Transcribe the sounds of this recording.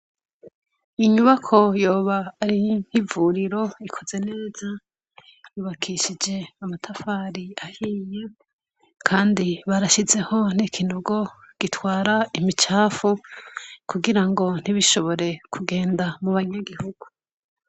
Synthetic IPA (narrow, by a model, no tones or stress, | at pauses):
iɲuβakʰo̞jo̞ːβaːɾin̥hivuɾiɾo̞ikʰo̞ze̞ne̞ːz̥a | juːβakʰiʃid͡ʒe̞amatʰafaːɾiahiːje | kʰaːndiβaɾaʃize̞ho̞n̥ikʰinoɡo̞ | ɡ̥itwaːɾaimit͡ʃaːfu | kuɡiɾaŋɡo̞n̥iβiʃo̞βo̞ɾe̞kʰuɡe̞ːndamuβaɲaɡihuɡ̥u